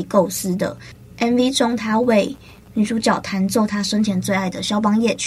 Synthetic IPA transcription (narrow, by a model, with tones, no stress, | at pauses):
ko˥˩ʊsɹ̩˦d̪ə̰˨ | ʔɛ˧˥nvi˦ʈ͡ʂʊ˥ŋt̪ʰa˥we˥˨ɪ | ny˨˩ʂu˧˥t͡ɕjɑ˨˩ʊt̪ʰa˨˦˥nt͡swɔ˥˨t̪ʰa˥ʂə˥nt͡ɕʰjɛ˧˥nt͡swe˥˧ɪa˥˩ɪd̪ə˩ɕjɑ˥ʊpɑ˥ŋjɛ˥˨t͡ɕʰ